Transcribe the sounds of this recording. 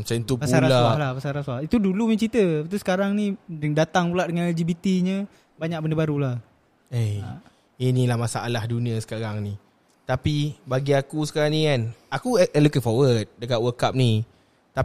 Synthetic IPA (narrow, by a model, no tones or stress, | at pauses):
mat͡ʃant̪upasuaɾalahlahpasaɾaswahit̪udulumãt͡ʃit̪əpat̪usə̥kaɾaŋnidat̪aŋpulaʔdəŋanɛld͡ʒibit̪iɲə | baɲak̚bəndəbaɾulah | e | inilahmasaʔalahdunĩəsə̥kaɾaŋni | t̪apibaɡiakusə̥kaɾaŋnikanakulukɪŋfɔwəd̚dəkaʔwəkap̚ni | t̪a